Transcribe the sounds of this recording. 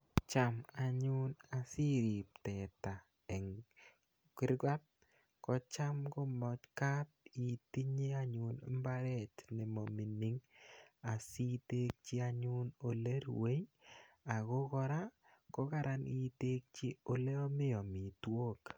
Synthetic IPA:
t͡ʃa˦ma˨ɲʊ˦na˨si˦ɾi˨p̚tɛ˨ta˨ | ɛ˨ŋ | kɪ˦ɾɡwa˦t̚ | kɔ˦t͡ʃa˦mko˦mɔ˨t͡ʃka˦t̚i˨ti˦ɲe˦a˦ɲʊ˨nmba˦ɾɛ˦˨tne˨mo˨mi˨ni˦ŋa˨si˦te˦k̚t͡ʃi˦a˦ɲu˦no˨le˦ɾwe˦j | a˨ko˦kɔ˦ɾa˦ | kɔ˦ka˦ɾa˦ni˦te˦k̚t͡ʃi˦o˦le˦ɔ˦mɪ˦ɔ˨mi˨two˦k

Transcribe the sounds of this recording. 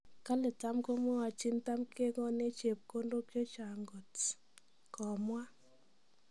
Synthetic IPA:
ka˦lɪ˨ta˦mko˦mo˦wa˨t͡ʃi˦nta˦mkʰe˦kɔ˦ne˦t͡ʃe˨p̚ko˦ndo˦kjo˦t͡ʃa˨ŋɡo˨t | kɔ˨mwa˦

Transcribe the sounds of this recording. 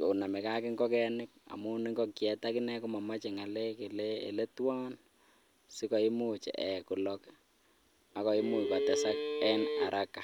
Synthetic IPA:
o˨u˨na˨mɛ˨ka˦kɪ˦ŋɡɔ˦kɛ˦nɪ˦k̚a̰˨mu˦nɪ˦ŋɡɔ˦kjɛ˨ta˦kɪ˦nɛ˦kɔ˦ma˨ma˦t͡ʃe˨ŋa˨lɛ˦ke˨le˦ḛ˨le˦twɔ˦n | sɪ˦kɔ˨i˦mut͡ʃḛ˨ʔɛ˨kʊ˨lɔk | a˦kɔ˨i˦mu˨pa˨tɛ˦sa˦k̚ɛ˦na˨ɾʔa˦ka˨

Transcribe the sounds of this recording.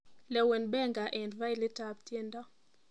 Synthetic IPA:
lɛ˨wɛ˨nbɛ˦ŋɡa˨ʔɛ˨ndva˦ɪ˦lɪ˦ta˨p̚tje˦ndɔ˦

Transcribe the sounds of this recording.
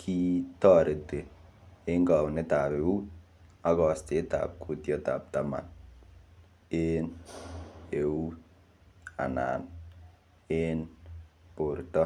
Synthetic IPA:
kʰi˦tɔ˦˨ɾe˨te˨ | e˦ŋɡa˨ne˦ta˨pe˨u˦t̚ | a˦kɔ˨ste˨ta̰ː˨p̚kʰu˦tjɔ˦ta̰˨p̚tama̰˨n | e˦n | e˨u˦t | a̰˨na̰˨n | e˦npo˨rtɔ˦

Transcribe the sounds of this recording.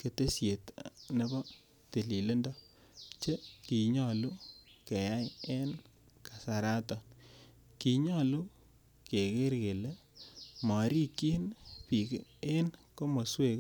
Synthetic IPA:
ke˨te˦sje˨tne˦bɔ˦ | te˨li˨le˦ndɔ˦ | t͡ʃe˦ki˨ɲɔ˨lu˦ke˨ja˦je˦n | ka˨sa˨ɾa˦tɔ˨n | ki˨ɲɔ˦˨lu˦ | ke˨ke˦ɾke˨le˦ | mɔ˨ɾi˦ki˦npi˨ke˦nko˦mɔ˨swe˦˨k

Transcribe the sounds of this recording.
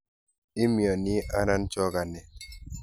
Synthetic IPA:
ɪ˦mjɔ˨nɪ˦ʔa˦na˦nt͡ʃɔ˦ɡa˨nɛ˨

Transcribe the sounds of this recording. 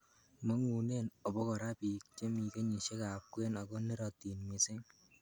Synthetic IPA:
mɔ˦ŋu˨ne˦nɔ˨bɔ˦kɔ˨ɾa˦pi˨k̚t͡ʃe˦mi˨ke˦ɲi˨ʃe˦ka˨p̚kwe˦na˨kɔ˦ne˦ɾɔ˨ti˨nmɪ˨sɪ˦ŋ

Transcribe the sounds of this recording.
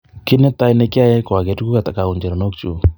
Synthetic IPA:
ki˦nɛ˦ta˦i˦ne˦ka˦jɛ˦kwa˨ke˨tu˦ku˦ka˨ta˨ka˨u˨ɲd͡ʒɛ˨ɾɔ˨no˦k̚t͡ʃu˨

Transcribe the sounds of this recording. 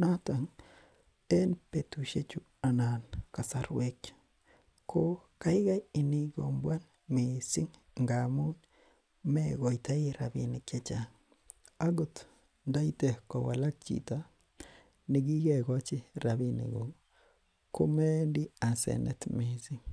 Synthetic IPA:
na˦ta˨ŋ | ɛ˦npe˨tu˨ʃe˦t͡ʃu˦ | a˨na˨nka˨saɾwe˦k | kːo˦ka˦ɪ˦ɡa˦ji˨ni˦ɡo̰˨mbwa˦n | misɪ˦ŋ | ŋɡamu˦n | mɛɡɔ˨ita˦i˦ɾa̰˨binike˦t͡ʃa˨ | a˦ɡo˨t | nda˦i˦te˨hkɔ˨wa̰˨la˦t͡ʃḭ˨ta˦ | nɪ˨ɡi˦ɡɛ˨ɡɔ˦t͡ʃɪ˦ɾa˨binḭ˨ɡo˨ŋ | ko˦mɛ˦ndi˦a˨sɛ̰˨nɛ̰˨tme˨si˦ŋ

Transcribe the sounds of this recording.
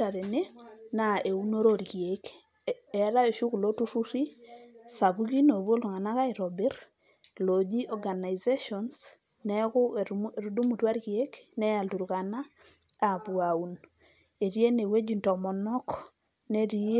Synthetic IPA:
a˨ɾe˨ne˦na˨e˨u˦no˦ɾo˦ɾɣje˨k | ɛ˨ɾa˦e˨ʃu˦ku˨lo˦tu˦ɾu˦ɾi˦sa˨βu˦ɣi˦no˨βwo˦lu˨ŋa˨na˦ka˦i˨ɾɔ˨bɛ˦ɾ | lo˨d͡ʒi˦ʔɔɡa˨na˨ze˦ʃɔns | nɛɣʊ˦˨ɾu˨du˦mu˨twa˦ɾɣje˦knɛ˦ja˨ldu˨ɾɣa˨na˦ | a˨βwa˨u˨n | e˨ɾje˦ne˨we˦d͡ʒi˨ntɔ˨mɔ˨nɔ˦k | ne˦ɾi˦

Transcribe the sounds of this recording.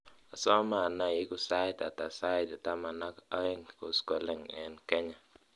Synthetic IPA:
a˨sɔ˦ma˨na˨jɪ˦ku˨sa˦ɪ˦ta̰˨ta˨sa˦ɪ˨ta˨ta˦ma˨na˦ka˦ɛ˦nko˨skɔ˨lɛ˦˨ŋɛ˨nkɛ˦ɲa˨

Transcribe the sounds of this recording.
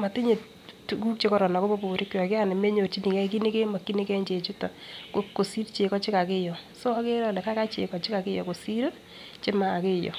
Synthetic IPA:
ma˨tɪ˦ɲe˨ | tu˨ku˦k̚t͡ʃe˦kɔ˨ɾɔ˨na˨kbɔ˦bo˨ɾi˦kːjɔ˨kɪ˦a˦nɪ˨me˦ɲo˨ɾt͡ʃi˦ni˨kɛ˦k̬i˦ni˦ke˦ma˨kːi˦ni˦kɛ˦ɲd͡ʒe˨t͡ʃu˦tɔ˨ko˨ko˨si˦ɾt͡ʃe˨kɔ˦t͡ʃɪ˦ka˨kɪ˦jɔ˨ | so˦a˦ke˦ɾɔ˦lɛ˨ka˦ka˦t͡ʃḛ˨kɔ˨t͡ʃɪ˦ka˨kɪ˦jɔ̰˨ko˨si˦ɾo˦ | t͡ʃe˦ma˨kɪ˦jɔ̰˨

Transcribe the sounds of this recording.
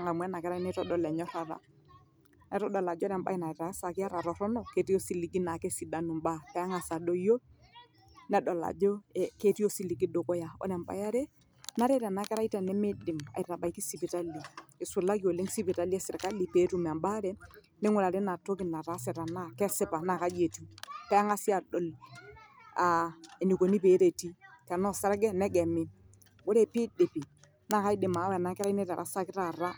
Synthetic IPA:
a˨ŋa˨mwɛ˦na˨kɛ˦ɾa˦i˦nɛ˦tɔ˦dɔ˨lɛ˨ɲɔ˦ta˦ɾa̰˨ | nɛ˨˦ɾɔ˦dɔ˨la˨d͡ʒɾɛ˨mba̰˦i˦na˨ɛ˨ɾa˨˦sa˨kɪ˦a˦ɾa˨ɾɔ˨ɾɔ˦nɔ˨ke˨ti˦o˦si˦˨li˨ɡi˦na˨kɛ˦si˨da˦nu˨mba˦pɛ˨a˦ŋa˨sa˨do˦jo˦ | nɛ˨dɔ˨la̰˨d͡ʒɔ˦˨ke˦ti˦o˦si˦li˨ki˦do˨kɔ˦ja˨ɔ̰˦nɛ˨mba̰˨ja˦ɾɛ˦ | na˦ɾɛ˦ɾɛ˨na˨kɛ˦ɾa˦i˦tɛ˨nɛ˦me˦di˨ma̰˨i˨ta˨ba˨i˦ki˦si˨pi˨ta˦li˨ɪ˨sʊ˨la˦ki˦o˨le˦ŋsi˦pi˨ta˦li˦ɛ˦sɪ˨ka˦li˨pe˨˦tu˦˨m˨a˨mba˦ɾɛ˦ | mɪ˦ŋʊ˦la˨ɾe˦na˨to˦kɪ˨na˨ta˨˦sɛ˨ta˨na˦kɛ˦sɪ˦pa˨na˨ka˦d͡ʒe˨tu˦pɛ˦ŋa˦sɪ˦a˨dɔ˨l | a˨e˨ni˨ko˨ni˦pe˨˦ɾe˨ti˦kɛ˨nɔ˦sa˦ɾɡɛ˦nɛ˦ɡɛ˨mɪ˦ | wo˦ɾɛ˨pɪ˦de˨pi˨ | na˦˨ka˦ɪ˦dɪ˨ma˨˦wna˨˦kɛ˦ɾa˦i˦nɛ˦ta˨ɾa̰˨sa˦kɪ˦ta˨ɾa˦

